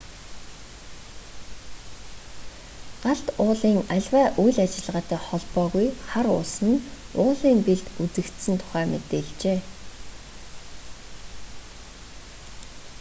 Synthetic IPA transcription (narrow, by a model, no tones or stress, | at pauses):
ɢ̥aɬt̪ʊːɮiːŋaɮʲwæːʔujɮat͡ɕɪ̆ɮʁaːt̪æːχɔɮpɔːɣujχaɾʊ̰ːsə̆ɘ̆nʊːɮiːmpeɮt̪ut͡sɘ̆kt̪sɘ̆nt̪ʰʊ̥χæːmḛt̪eːɮt͡ɕeː